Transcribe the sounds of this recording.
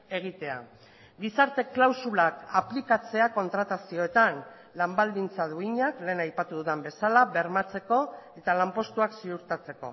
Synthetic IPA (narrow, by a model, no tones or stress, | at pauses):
e̞ɣ̞it̪e̞a̰ | ɡisaɾt̪e̞klawsulakaplikat͡se̞ako̞nt̪ɾat̪asio̞et̪an | lambald̪int͡sað̞uiɲakle̞ːnajpat̪uðuðembe̞salaβe̞ɾmat͡se̞ko̞e̞t̪alampo̞st̪uaksiuɾt̪at͡se̞ko̞̰